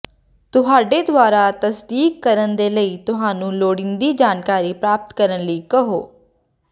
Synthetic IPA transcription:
t̪ʊɦaːɖeːd̪ʊaːɾaːt̪əsd̪iːkːəɾənd̪eːləiːt̪ʊɦaːnũːloːɽɪ̃nd̪iːd͡ʒaːnkaːɾiːpɾaːpət̪kəɾənləiːkəɦo̰ː

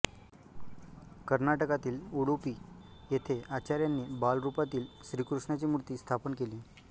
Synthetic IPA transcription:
kəɾnaʈəkat̪iːluɽopiːjet̪ʰeʔat͡ɕaɾjanːiːbalɾupat̪iːlɕɾiːkɾuʂɳat͡ɕiːmuɾt̪iːst̪ʰapənkeliː

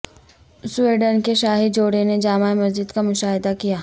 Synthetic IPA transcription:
sweːɖənkeʃaːɦid͡ʒoːɽened͡ʒaːmaːemɐzd͡ʒɪd̪kamʊʃaːɦɪd̪akijaː

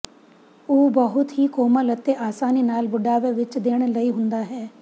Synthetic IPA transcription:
uːbəɦʊt̪ɦikoːmələt̪ːeʔaːsaːninaːlbʊɖaːʋeʋɪt͡ʃd̪eːɽ̃lɐiɦʊ̃nd̪aɦɛː

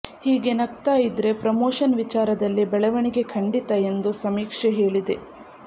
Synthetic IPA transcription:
hiːɡe̞nɐk̚t̪aːjid̪ɾe̞pɾɐmoːʃɐnʋit͡ʃaːɾɐd̪ɐlːibɛɭɐʋɐɳiɡe̞kʰɐɳɖit̪ɐe̞nd̪usɐmiːkʂeɦe̞ːɭid̪e̞

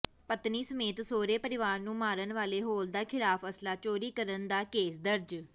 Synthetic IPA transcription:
pət̪niːsəmeːt̪soːɾeːpəɾɪʋaːɾnũːmaːɾənʋaːleːɦoːld̪aːkʰɪlaːpʰəslaːt͡ʃoːɾiːkəɾənd̪aːkeːsd̪əɾd͡ʒ

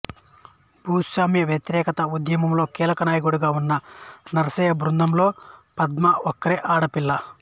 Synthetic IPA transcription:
bʱuːsʋaːmjɐʋjɐt̪iɾɛːkɐt̪ɐud̪jɐmɐmlo̞ːkiːlɐkɐnaːjɐkuɽuɡaːunːɐnɐɾɐsɐːjɐbɾund̪ɐmlo̞ːpɐd̪mɐɔkːɐɾeːʔaːɽɐpilːɐ

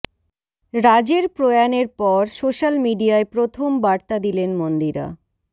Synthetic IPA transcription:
ɾad͡ʑeɾpɾojaneɾpɔɾsoʃalmiɖijaepɾot̪ʰombaɾt̪ad̪ilenmond̪iɾa̰

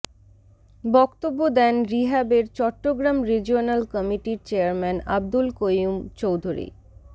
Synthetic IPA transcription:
bɔkt̪obːod̪ɛnɾiɦabeɾt͡ɕɔʈːoɡɾamɾid͡ʑionalkɔmiʈiɾt͡ɕeaɾmɛna̰b̚d̪ulkojumt͡ɕowd̪ʱuɾḭ

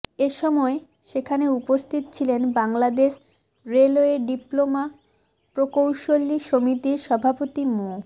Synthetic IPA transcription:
eʃɔmɔe | ʃekʰaneupost̪ʰit̪t͡ɕʰilenbaŋlad̪eʃ | ɾeloeɖiploma | pɾokowʃoliʃomit̪iɾʃɔbʱapot̪imo

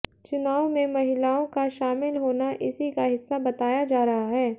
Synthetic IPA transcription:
t͡ʃʊnaːõmẽmɐɦɪlaːõkaʃaːmɪlɦoːnaʔɪsikaɦɪsːabɐt̪aːjad͡ʒaːɾɐɦaɦɛː

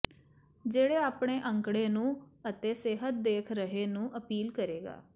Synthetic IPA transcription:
d͡ʒeːɽeːaːpɳ̃eːʔəŋkɽeːnũːət̪eːseːɦət̪̚d̪eːkʰɾəɦeːnũːʔəpiːlkəɾeːɡa̰ː

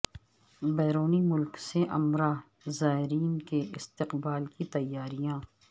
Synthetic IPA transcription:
bɛːɾoːnimʊlkseʔɐmɾaː | zaːɦɪɾiːnkeʔɪst̪ɪqbaːlkit̪ɐjːaːɾijãː

